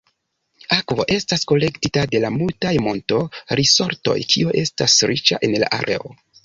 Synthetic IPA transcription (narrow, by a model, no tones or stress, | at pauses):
akvo̞ʔe̞stasko̞le̞ktitade̞lamultajmo̞nto̞ɾiso̞ɾto̞̰jkʰioʔe̞stasɾit͡ʃaʔe̞nla̰ʔa̰ɾʔe̞̰o̰